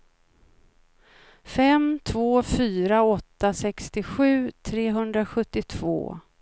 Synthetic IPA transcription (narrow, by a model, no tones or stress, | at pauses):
fɛmt̪ʰvoːfyːɾaɔt̪ːasɛkst̪ɪɧʉ̟ːt̪ʰɾeːɦɵnd̪ɾaɧɵt̪ːɪt̪ʰvo̰ː